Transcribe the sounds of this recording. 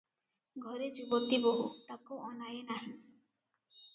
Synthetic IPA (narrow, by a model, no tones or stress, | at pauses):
ɡʱɔɾed͡ʒubot̪ːiboɦut̪akoɔnajenaɦi